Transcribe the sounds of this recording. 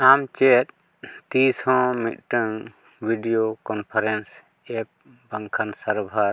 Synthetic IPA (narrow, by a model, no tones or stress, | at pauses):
amt͡ʃɛt̪̚ | t̪isɔ̃mḭt̪̚ˀʈəŋ | bʱiɖijokɔnpʰaɾɛns | ɛp̚ | baŋkʰansaɾbʱaɾ